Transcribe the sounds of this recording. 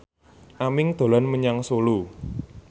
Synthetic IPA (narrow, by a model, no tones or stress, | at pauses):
ʔamɪŋd̪̥o̤lɔnməɲaŋsolu